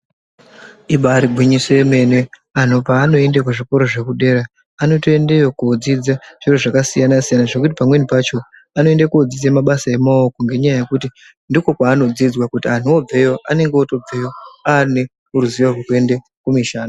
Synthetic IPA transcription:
iɓaɾiɡʱwiɲiseeme̞ne̞ | ano̞paːno̞e̞ndek̬uʐiko̞ɾo̞ʐe̞kuɗe̞ːɾaː | no̞toe̞ndejokod͡zid͡zaʐ̥iroʐakasijanasijanaʐe̞kut̬ipamwe̞nipat͡ʃo̞ | ano̞e̞ndakuod͡zisemaɓasaemaokoŋɡe̞ɲajaje̞kuti | ndiko̞kwaːno̞d͡zid͡zwakutian̤uob͡ve̞jo̞ʔane̞ŋɡeoto̞b͡ve̞jo̞aːne | uɾuziʋarokue̞nde | kumiʃaːna

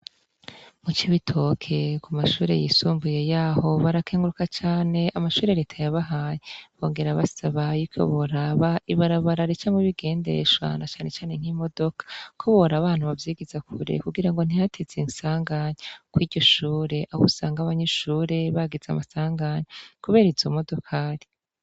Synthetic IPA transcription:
mut͡ʃiβitʰo̞kʰe̞kumaʃuːɾe̞̰jiːsuːmbuje̞jaːho̞βaɾakeːŋɡuɾukat͡ʃaːne̞ʔamaʃuːɾe̞ɾeːtʰajaβaɦajeβo̞ːŋɡe̞ɾaβasaβajuko̰βoɾaβaiβaɾaβaɾaɾit͡ʃameβiɡe̞ːnde̞̰ʃwa̰nat͡ʃaːne̞t͡ʃaːne̞ŋ̥himo̞do̞kḁkʰoβoɾaβaːn̥huβavjiːɡizakʰuɾḛkuɡiɾaŋɡo̞n̥ihatʰezensaːŋɡaɲekwiːɟo̞ʃuːɾe̞ʔaβṵsaːŋɡaβaɲeʃuːɾe̞βaɡiza̰masaːŋɡaɲekuβe̞ːɾizomo̞do̞kʰaːɾi

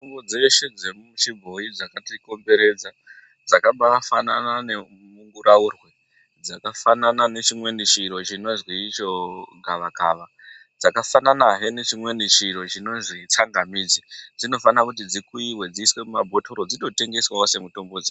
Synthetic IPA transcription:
tombod͡ze̞ʃed͡zemut͡ʃibʱo̞id͡zakatiko̞mbe̞ɾe̞d͡za | d͡zakaɓafana̰nane̞ | muŋɡuɾaurwe̞ | d͡zakafananane̞t͡ʃimwe̞nit͡ʃiɾo̞t͡ʃino̞zwit͡ʃo̞ɡʱaʋakaːʋa | d͡zakafananaɦe̞ne̞t͡ʃimwe̞nit͡ʃiɾo̞t͡ʃino̞ʐit͡saŋɡamiːd͡zid͡zino̞fanakut̬id͡zikuiwe̞d͡ziːswe̞mumabʱo̞tʰo̞ɾo̞d͡zito̞te̞ŋɡe̞swaose̞muto̞mbo̞d͡zeʃ

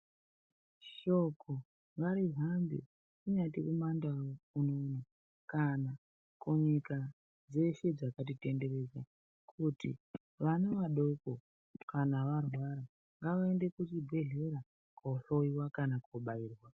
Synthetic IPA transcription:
ʃo̞kʰo | ŋɡaɾiɦambḛ | kuɲatiʔumandaounono | kana | koɲika | d͡ze̞ʃe̞d͡zakat̬ite̞nde̞ɾe̞za | kʰutḭ | ʋaneʋaɗo̞ko | kanaʋarwaɾa | ŋɡaʋaende̞kutibʱe̞ɮe̞ɾa | koɬo̞iwakanakoɓaiːrwa

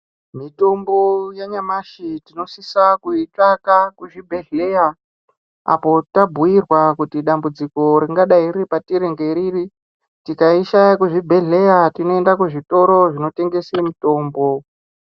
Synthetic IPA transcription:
mito̞mbo̞jaɲamaʃitino̞sisakuit͡ʂakakuʐibʱe̞ɮe̞ja | a̰po̞tabʱuirwakutiɗambud͡ziko̞ɾiŋɡaɗaiɾipatiɾeŋɡe̞ɾiːri | tikaiʃakuʐibʱe̞ɮe̞jatino̞e̞ndakuʐito̞ɾo̞ʐino̞te̞ŋɡe̞semito̞ːmbo̞

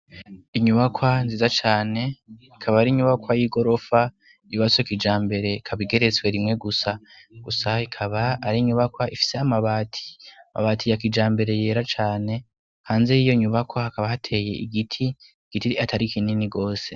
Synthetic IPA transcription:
iɲuβakʰwanziːzat͡ʃaːne̞ikʰaβaːɾiɲuβakwajiɡo̞ɾo̞fa | ijuβaswekid͡ʒaːmbe̞ɾe̞kʰaβiɡe̞ɾe̞t͡swe̞ɾimŋe̞ɡusa | ɡ̥usaikʰaβaːɾiɲuβakwaifi̥seamaβaːtʰi̥ama̰βaːtʰijakid͡ʒaːmbe̞ɾe̞je̞ːɾat͡ʃaːne̞ | haːnzeijo̞iɲuβakwahakaβahatʰe̞je̞iɡitʰi | ɡ̥itiatʰaɾikʰininiɡo̞ːse̞

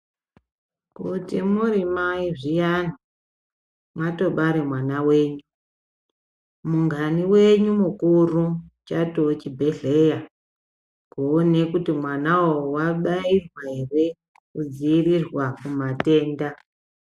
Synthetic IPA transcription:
kutimurimaiʐijano | mwato̞ɓaɾemwanawe̞ːɲu | muŋɡaniwe̞ɲumukurut͡ʃato̞t͡ʃibʱe̞ɮe̞ja | kone̞kutimwanawowaɓairwaɦe̞re̞ | kud͡ziirirwakumate̞ːnda

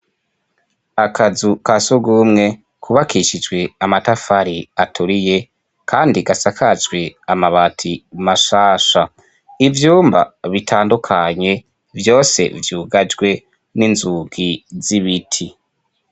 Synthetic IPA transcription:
akʰazukasuɡuːmŋe̞ | kʰuβakʰiʃid͡ʒɡwe̞amatafaɾiatʰuɾije̞ | kʰaːndiɡasakʰad͡ʒɡwe̞amaβatʰimaʃaːʃa | ivjuːmba̰βitʰaːndukʰaɲe̞ | vjo̞ːse̞̰vjuːɡad͡ʒɡwe̞ | ninzuɡiziβitʰi

